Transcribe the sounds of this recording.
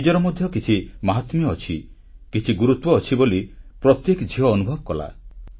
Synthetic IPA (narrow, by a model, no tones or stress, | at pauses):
id͡ʒɔɾɔmɔd̪ʱjɔkit͡ʃʰimaɦɔt̪mjɔːt͡ʃʰi | kit͡ʃʰiɡuɾut̪wɔːt͡ʃʰibolipɾɔt̪jekd͡ʒʱiɦɔːnubʱɔbɔkɔla̰